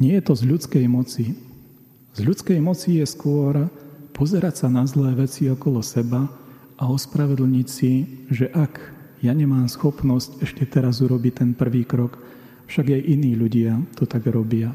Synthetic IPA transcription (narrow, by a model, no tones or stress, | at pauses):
ɲɪɛjɛt̪ɔzʎut͡skɛjmɔt͡si | z̥ʎut͡skɛjmɔt͡sijɛskʊɔɾpɔzɛɾacsanazlɛːʋɛt͡siɔkɔlɔsɛba | ʔaɔspɾaʋɛd̪l̩ɲicsiʒɛʔakjaɲɛmaːmsxɔpnɔscɛʃcɛt̪ɛɾazuɾɔbict̪ɛnpr̩ʋiːkɾɔk | fʃaɡjɛjʔiniːʎuɟɪat̪ɔt̪aɡɾɔbɪa